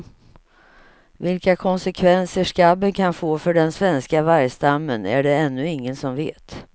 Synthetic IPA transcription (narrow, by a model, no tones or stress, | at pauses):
vɪlkakʰɔnsɛkʰvɛnsəʂkabːənkʰanfoːfœɖɛnsvɛnskavaɾjst̪amːənæ̰ɖɛɛnːɵɪŋːənsɔmveːt̪